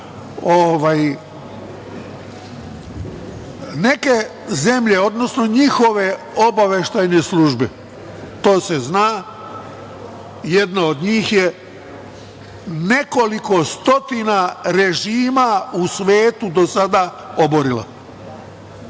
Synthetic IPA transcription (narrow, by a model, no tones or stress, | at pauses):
oʋaj | ne̞ke̞ | ze̞mʎe̞o̞d̪no̞sno̞ɲixo̞ʋe̞ | obaʋeʃt̪ajne̞sluʒbe | t̪o̞ːse̞znaː | jed̪naod̪ɲiːxje | ne̞ko̞liko̞st̪o̞t̪inaɾe̞ʒiːmausʋeːt̪ud̪o̞sad̪a | oboɾila̰